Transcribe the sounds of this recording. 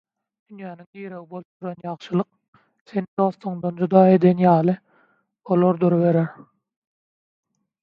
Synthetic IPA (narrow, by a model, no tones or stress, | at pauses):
d̪̥ynjæːniŋɡiːɾe̞ɣibo̞lˠup̚t̪uɾonjɑʁʃɯlˠɯq̚ | θenid̪o̞θoŋd̪ond͡ʒud̪ɑːe̞d̪enjɑːlˠɯ | o̞lˠoɾd̪øɾeβe̞ɾeɾ